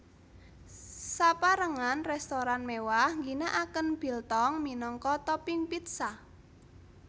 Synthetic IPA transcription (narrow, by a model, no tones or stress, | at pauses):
sapaɾəŋanrɛst̪oɾanmewahŋɡinaʔakənb̥i̤lt̪ɔŋminɔŋkɔt̪ɔpiŋpit̪̚sa